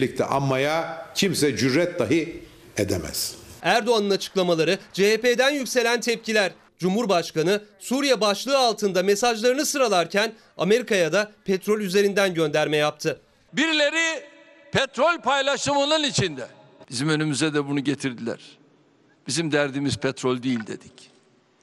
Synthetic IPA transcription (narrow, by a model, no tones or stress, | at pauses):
lʲic̚t̪ʰɛ̰ʔa̰mːajacʰimsɛd͡ʒyɾːɛt̪̚d̪aɦɯ | ed̪ɛ̰mɛ̰z̥æɾd̪o̞anɯnat͡ʃʰɯ̥klˠamalˠaɾɯd͡ʒeɦeped̪ænjycse̞lʲænt̪ʰɛp̚cilʲæɾ | d͡ʒumhuɾbaʃkanɯsuɾijabaʃlˠɯːalˠt̪ʰɯnd̪ame̞saʒlˠaɾɯnɯsɯɾalˠaɾcʰæn | ame̞ɾikajad̪apʰɛt̪ɾo̞lʲyze̞ɾind̪ænɟø̞nd̪æɾmɛjap̚t̪ʰɯ | biɾilʲe̞ɾi | pʰɛt̪ɾo̞lʲpʰajlˠaʃɯmɯnɯnit͡ʃʰind̪ɛb̥izimø̞nymyzɛd̪ɛbunuɟet̪ʰiɾd̪ilʲæ̰ɾ̥ | b̥izimd̪æɾd̪iːmiz̥pʰɛt̪ɾolʲd̪ijilʲd̪e̞d̪̥ic